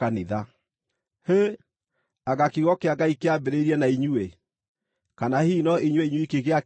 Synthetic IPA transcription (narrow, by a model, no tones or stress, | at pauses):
aniða | he | aɣakiɣɔkeaɡaikeabeɾeɾiɛnaiɲue | kanahinɔiɲweiɲwuikeɣea